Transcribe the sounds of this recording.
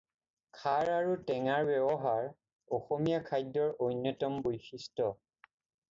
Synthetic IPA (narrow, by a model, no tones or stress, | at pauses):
kʰaɹaɹutɛŋaɹbɛbɔɦaɹ | ɔxomijakʰajdːɔɹojnːjɔtɔmbojxistɔ